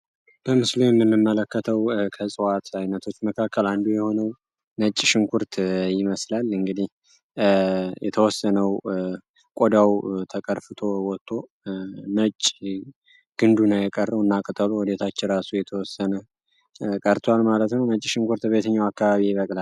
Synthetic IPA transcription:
b̥əmɨslujɛmːɨmːɨmːələkːət̪ʰəwkʰəsʼɨwat̪ajnət̪ʰo̞t͡ʃːməkʰakʰːəland̪ujɛho̞nəw | nət͡ʃʼːʃɪŋkʰuɾt̪ʰjɪməslalɨŋɡɨd̪ih | jʔɛt̪ʰəwɔsːənəw | kʼod̪awt̪ʰəkʼəɾfɨt̪ʰo̞wɔt̪ʰʼːo̞ | nət͡ʃʼː | ɡ̥ɨnd̪unajɛkʼərːəwɨnːakʼət̪ʼəluwɔd̪et̪ʰat͡ʃːɪɾasujɛt̪ʰəwɔsːənə | kʼəɾt̪ʰwalmalət̪nəwnət͡ʃʼːɪʃɪŋkʰuɾt̪be̞t̪ʰəɲːawakːaβaβijβəkʼla

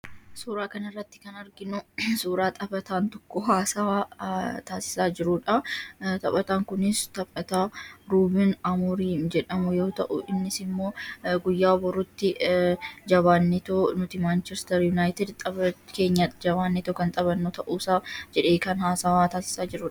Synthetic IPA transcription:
suːɾaːkɐnɪrːɐt̪ːɪ̥kɐnɐɾɡɪnʊsuːɾaːt̪ʼɐbɐt̪aːnt̪ɔ̥kːɔɦaːsɐwaːt̪aːsɪ̥saːd͡ʒɪɾʊᶑɐt̪ɐpʼɐt̪aːŋkʊnɪst̪ɐpʼɐt̪aːɾuːbɪnɐmuɾiːnd͡ʒɛᶑɐmʊjo̞ːt̪ɐʔʊ̰ʔɪnːɪsɪmːo̞ːɡʊjːaːbɔɾʊt̪ːɪ | d͡ʒɐβaːnːɛt̪oːnʊt̪ɪmaːnt͡ʃɛst̪ɛɾjʊnaːjt̪ɛd̪t̪ʼɐbɐkeːɲːad͡ʒɐbaːnːɛt̪oːkɐnt̪ʼɐβɐnːoːt̪ɐʔuːsaːd͡ʒɛᶑeːkɐnhaːsɐwaːt̪aːsɪ̥saːd͡ʒɪɾʊᶑɐ

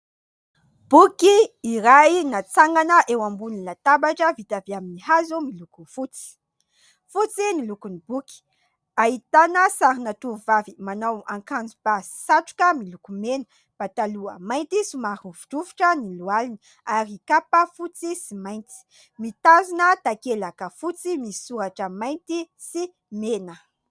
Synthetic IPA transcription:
b̥ukiːɾainat͡saŋɡanəʔewambunilat̪abaʈ͡ʂəvit̪aviaminihazumilukufut͡si̥ | fut͡sinilukunibuki̥ | aɦit̪anəsaɾinat̪uvavimanawaŋkand͡zub̥asi̥saʈ͡ʂu̥kəmilukumenə̥ | b̥at̪aluə̰majnt̪isimaɾuvu̥ʈ͡ʂuvu̥ʈ͡ʂənilualini | aɾikapəfut͡sisimajnt͡si̥ | mit̪azunət̪akelakəfut͡simisi̥suɾaʈ͡ʂəmajnt̪i | si | menə

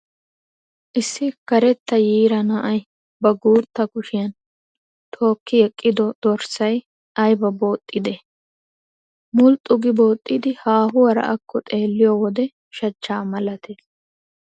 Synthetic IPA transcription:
ʔɪsːɪkɐɾɛt̪ːɐjiːɾɐnɐʔɐj | bɐɡuːt̪ːɐkʊʃɪjɐn | t̪ʰo̞ːkːɪjɛkʼːɪd̪ɔd̪̥ɔɾsɐj | ɐjbɐbo̞ːt̪ʼːɪd̪ɛ | mʊlt̪ʼʊɡɪbo̞ːt̪ʼːɪd̪ɪhaːɦʊwɐɾɐ̰ʔɐkʰːɔt̪ʼe̞ːlːɪjɔːwɔd̪ɛ | ʃɐt͡ʃːaːmɐlɐt̪es

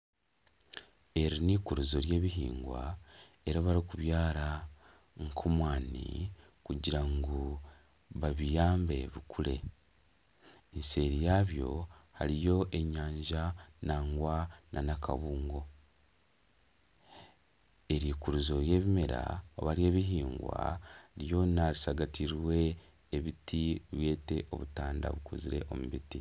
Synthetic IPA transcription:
e̞ɾiniːkuɾuzo̞ɾje̞ːβiɦḭːŋɡwa̰ | e̞ɾaβaɾikuβjaːɾa | ŋkʰomwaːnḭ | kuɟiɾaŋɡu | βaβijaːmbe̞βikʰule̞̰ | nse̞ːɾijaːβjo̞̰ha̰ɾijo̞ʔe̞ɲaːɲʒanaːŋɡwanʔanaka̰βuːŋɡo̞ | e̞ɾiːkuɾuzo̞ɾje̞ːβimeɾa̰o̰βaɾje̞ːβiɦiːŋɡwa̰ɾjo̞naɾisaɡatiɾwe̞ː | βitʰiβwe̞ːte̞ʔo̞̰βutaːnda̰βukuziɾe̞̰ʔo̞̰muβiti

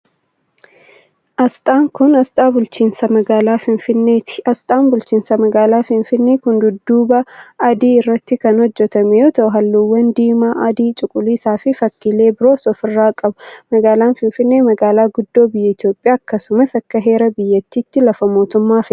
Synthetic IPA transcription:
ʔɐst̪ʼaːŋkʊnɐst̪ʼaːbʊlt͡ʃiːnsɐmɐɡaːlaːfɪnfɪnːeːt̪ɪ̥ɐst̪ʼaːnbʊlt͡ʃiːnsɐmɐɡaːlaːfɪnfɪnːeːkʊnd̪ʊd̪ːuːbɐːd̪iːɪrːɐt̪ːɪkɐnhɔd͡ʒːɛt̪ɐmɛjoːt̪ɐʔʊɦɐlːuwːɐnd̪iːmaːʔɐd̪iːt͡ʃʼʊkʼʊliːsaːfɪfɐkːɪle̞ːbɪɾo̞ːsɔfɪrːaːkʼɐbʊmɐɡaːlaːnfɪnfɪnːe̞ːmɐɡaːlaːɡʊd̪ːo̞ːbɪjːɛɪt̪jo̞ːpʼːɪjaːɐkːɐsʊmɐsɐkːɐɦe̞ːɾɐbɪjːɐt̪ːiːt̪ːɪlɐfɐmo̞ːt̪ʊmːaːfɪ

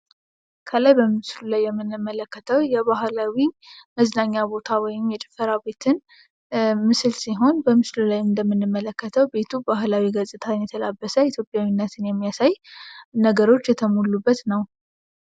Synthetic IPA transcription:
kʰəlajbəmɨslulajːɛmːɨnːɨmːələkːət̪ʰəwjɛβaɦlawiməznaɲːabo̞t̪ʰawɔjɪmjɛt͡ʃʼɪ̥fəɾabe̞t̪ʰɨn | mɨsɨlsiɦo̞nbəmɨslulajɨnd̪əmːɨnːɨmːələkːət̪ʰəwbe̞t̪ʰubaɦlawiɡəsʼɨt̪ʰanjɛt̪ʰəlabːəsəit̪ʰjo̞pʼjawinːət̪ʰɨnjɛmːijasajnəɡəɾo̞t͡ʃːjɛt̪ʰəmulːubːət̪nəw

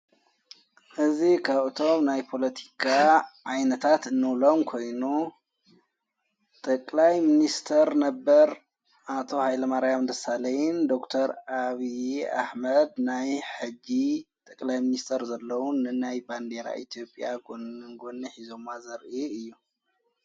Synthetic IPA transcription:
ʔɨzikʰaβɨt̪ʰo̞mnajpʰo̞lɐt̪ʰi̥kʰaʕajnɐt̪ʰat̪ɨnːɨwlo̞mkʰo̞jnu | t̪ʼɐkʼlajminist̪ʰɐɾnɐbːɐɾ | ʔat̪ʰo̞hajlɐmaɾjamd̪ɐsalɐjnd̪o̞kt̪ʰɐɾaβiʔa̰ħmɐd̪najħɨd͡ʒːit̪ʼɐkʼlajminist̪ʰɐɾzɐlːɐwunɨnajband̪eɾa̰ʔit̪ʰjo̞pʼjaɡŋɡonːiħizo̞mazɐɾʔiɨjːu

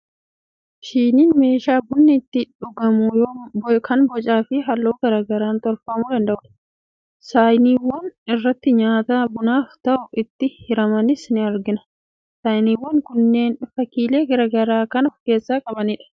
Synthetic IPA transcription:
ʃiːniːnme̞ːʃaːbʊnːɪt̪ːɪᶑʊɡɐmujoːkʰɐnbɔt͡ʃʼaːfɪɦɐlːoːɡɐɾaːɡɐɾaːnt̪ɔɾfɐmʊd̪ɐnd̪ɐʔʊᶑɐ̥ | saːjniːwːɐnɪrːɐt̪ːɪɲaːt̪aːbʊnaːft̪ɐʔʊʔɪt̪ːɪhɪɾɐmɐnɪsnɪɐɾɡɪnɐ̥ | saːjniːwːɐŋkʊnːe̞ːnfɐkiːle̞ːɡɐɾaɡɐɾaːkɐnɔfke̞ːsːaːkʼɐbɐniːᶑɐ̥

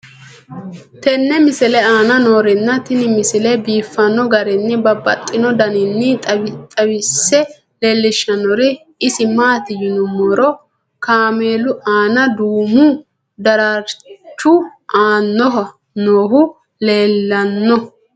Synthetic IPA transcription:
t̪ɛnːɛmɪsɪlɛaːnɐno̞ːɾɪnːɐt̪ɪnɪmɪsɪlɛbiːfːɐnːɔɡɐɾɛnːɛbɐbɐ̰t̪ʼːɪnɔd̪ɐnɪnːɪt̪ʼɐt̪ʼɐwɪsːɛ | leːlːɪʃːɐnɔɾɪ | ɪsɪmaːt̪ɪjʊnʊmɔɾɔ | kaːmeːlʊʔaːnɐd̪uːmʊ | d̪ɐɾaɾt͡ʃːʊʔaːnːɔɦɐ | noːɦʊ | leːlːɐnːɔ

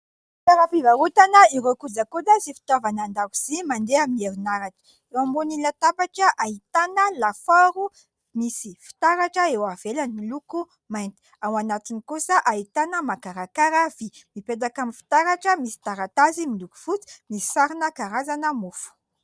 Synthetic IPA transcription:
t̪aɾafivaɾut̪anəiɾokud͡zakulazifi̥t̪avanand̪akuz̥imand̪eamieɾunaɾaʈ͡ʂə̥ | ewambunilat̪apaʈ͡ʂəʔait̪anəlafaɾu | misifi̥t̪aɾaʈ͡ʂəewavelaniluku | majnt̪i̥ | awanat̪inikusəʔait̪anəmakaɾakaɾavimiped̪akamifi̥t̪aɾaʈ͡ʂəmisi̥t̪aɾat̪azimiluku̥fut͡si̥misi̥saɾinəkaɾazanəmufu̥

